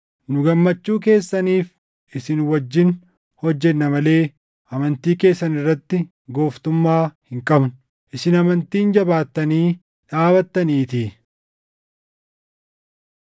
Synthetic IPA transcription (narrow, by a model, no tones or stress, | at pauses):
nʊɡɐmːɐt͡ʃːuːk̬e̞ːsːɐniːf | ʔɪsɪnwɐd͡ʒːɪn | hɔd͡ʒːɛnːɐmɐle̞ː | ʔɐmɐnt̪iːke̞ːsːɐnɪrːɐt̪ːɪ | ɡo̞ːft̪ʊmːaːhɪŋkʼɐbnʊ | ʔɪsɪnɐmɐnt̪iːnd͡ʒɐbaːt̪ːɐniː | ᶑaːβɐt̪ːɐniːt̪iː